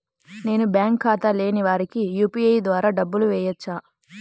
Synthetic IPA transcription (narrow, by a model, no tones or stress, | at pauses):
ne̞ːnubjaːŋkʰːaːt̪ɐle̞ːniʋaːɾikijuːpiɐjd̪ʋaːɾaːɖɐbːuluʋɛːjɐt͡ʃːaː